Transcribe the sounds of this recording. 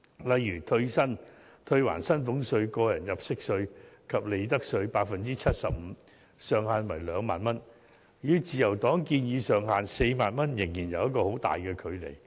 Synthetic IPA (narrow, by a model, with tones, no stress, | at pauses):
lɐ˨jːyː˨˩t̪ʰɵ˧ɥsɐ˥n | t̪ʰɵ˧ɥwa̰ː˨˩nsɐ˥nfʊ˨˥ŋsɵ˧ɥkɔː˧jɐ˨˩njɐ˨˩p̚sɪ˥k̚sɵ˧ɥkʰɐ˨p̚le˨˧jt̪ɐ˥k̚sɵ˧ɥpaː˧k̚fɐ˨nt͡siː˥t͡sʰɐ˥t̚sɐ˨p̚m̩ː˨˧˦ | sœː˨˧ŋhaː˨nwɐ˨˩jlœː˨˧ŋma̰ː˨nmɐ˥n | jyː˨˧˥t͡siː˨˧jɐ˨˩wt̪ɔː˨˥ŋkiː˧njiː˨˧sœː˨ŋhaː˨nse˧jmaː˨nmɐ˥njɪ˨˩ŋjiː˨˩njɐ˨˧wjɐ˥t̚kɔː˧ho˨˥wt̪a̰ː˨jkɛː˧kʰɵ˨˧ɥle˨˩j